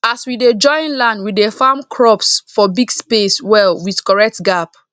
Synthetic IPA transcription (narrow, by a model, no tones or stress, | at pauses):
aswided͡ʒɔ̃ɪ̃nlãndwidefãmkʰɹɔpsfɔbiɡspeswɛlwið̥kɔɹɛk̚tɡap